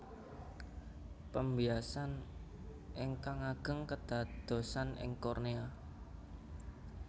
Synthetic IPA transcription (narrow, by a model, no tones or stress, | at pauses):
pəmbiasan | ʔɪŋkaŋaɡ̥ə̤ŋkəd̪̥a̤d̪̥o̤sanɪ̰ŋkornea